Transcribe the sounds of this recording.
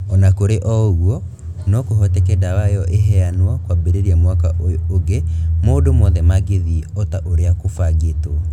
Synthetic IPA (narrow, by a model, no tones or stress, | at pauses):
ɔnakoɾeʔɔɣwɔ | nɔkoɦɔtɛkɛdawajɔʔeɦɛanwakwabeɾeɾiamwakaooɡemoːdomɔðɛmaɡeðiɔtaʔoɾeakofaɡetoa